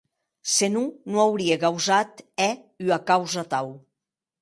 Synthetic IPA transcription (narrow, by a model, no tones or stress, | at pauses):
senunoawɾiekawzat̪ɛyakawzat̪aw